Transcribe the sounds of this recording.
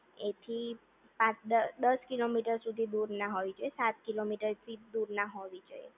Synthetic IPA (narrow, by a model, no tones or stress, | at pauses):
et̪ʰi | pãəd̪əskilomiʈəɾsud̪ʱid̪uɾnaɦoʋid͡ʒoesat̪̚kilomiʈəɾt̪ʰid̪uɾnaɦoʋid͡ʒojḛ